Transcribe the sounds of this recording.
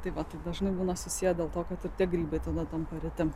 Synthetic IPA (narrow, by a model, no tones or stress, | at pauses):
t̪ɐɪʋɐt̪ɐɪd̪ɐʒnɐɪbuːnɐsʊsʲijɛdʲeːlˠt̪oːkɐt̪ɪɾt̪ʲiɛɡɾʲiːbɐɪt̪ɐd̪ɐt̪ɐmpɐɾʲɪt̪ʲɪm